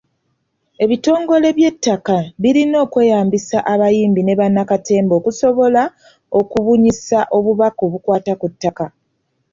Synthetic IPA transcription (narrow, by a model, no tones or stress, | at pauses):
e̞βito̞ːŋɡo̞le̞βje̞tːakaβiɾino̞ːkwe̞ːjaːmbisaʔaβajiːmbine̞βanːakate̞ːmbo̞ːkuso̞βo̞la | o̞kuβuɲisaʔo̞βuβakoβukwaːtakutːaka